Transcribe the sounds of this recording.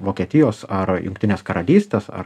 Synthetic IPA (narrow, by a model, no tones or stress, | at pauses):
ʋoːkʲiɛt̪ʲɪjoːsɐɾjʊ̰ŋkt̪ʲɪnʲeːskɐɾɐlʲiːsʲt̪ʲeːsɐ̰ɾ